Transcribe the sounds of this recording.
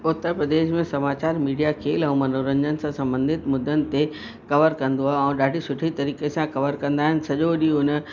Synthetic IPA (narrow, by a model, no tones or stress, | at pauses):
ʊt̪ːəɾpɾɐd̪eːʃmẽsɐmaːt͡ɕaːɾmiːɖijakʰeːlɛ̃ũmɐnoːɾə̃ɲd͡ʑənɪ̆sãsɐ̃mbə̃nd̪ɪt̪mʊd̪ːənɪ̆t̪e | kɐʋəɾkɐ̃nd̪oaɦɛ̃ũɗaːɖʱisʊʈʰit̪ɐɾiːkesãkɐʋəɾkɐ̃nd̪aːɦɪnɪ̆sɐʄoɗiʊn